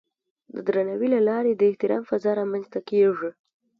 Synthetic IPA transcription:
d̪əd̪ɾanawilalɑɾed̪əɪht̪ɪɾɑ̰mfazɑɾɑmanzt̪akeʐi

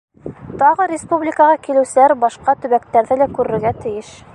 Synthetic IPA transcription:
t̪ɑʁɤɾʲɪspublʲɪkɑʁɑkilɘ̆wsɘ̆læɾbɑʃqɑt̪ɵ̆βækt̪æɾðɘlækʉɾɘ̆ɾɡæt̪ɘ̆jɘʃ

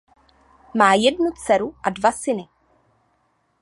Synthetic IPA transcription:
maːjɛdnut͡sɛɾuʔadvasɪnɪ

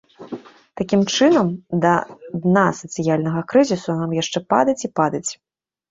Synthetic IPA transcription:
t̪akʲimt͡ʂɨnɐmd̪ɐd̪nasɐt̪sɨjalʲnɐɣɐkɾɨzʲisunamjaʂt͡ʂɛpa̰d̪ɐt͡sʲipad̪ɐt͡sʲ

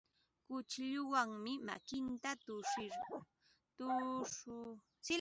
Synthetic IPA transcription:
kʊt͡ʃʎʊwaŋmɪma̰kɪnt̪at̪ʊʂɪɾʊ | t̪ʊʊ | t͡sɪ

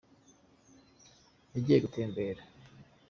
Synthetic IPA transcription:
jeɟijeɡutʰeːmbeɾa

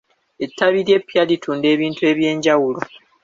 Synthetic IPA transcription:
e̞tːaβiɾepːjalitʰuːnde̞ːβiːntue̞ːβje̞ːɲɟawulo

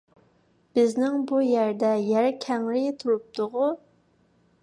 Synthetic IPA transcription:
b̥ɪznɪŋbujæɾd̪ɛjæɾkʲʰɛŋlɪt̪ʰuɾup̚t̪ʊʁʊ

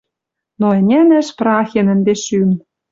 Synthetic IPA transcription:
noɘ̆nʲænæ̆ʃprɑxʲenɘ̆nd̪eʃym

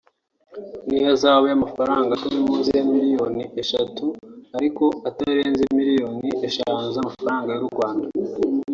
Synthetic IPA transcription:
nihazaːβojamafaɾaːŋɡatuɾimuːnzijamiɾijo̞niʔe̞ʃatuaɾiko̞ataɾe̞ːnzemiɾijo̞ːnieʃaːnzamafaɾaːŋɡajuɾuɾɡwaːnda

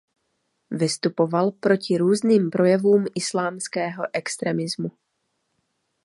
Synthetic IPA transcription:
vɪst̪upo̞valpɾo̞cɪɾuːzniːmpɾo̞jɛvuːmʔɪslaːmskɛːɦo̞ʔɛkst̪ɾɛmɪzmu

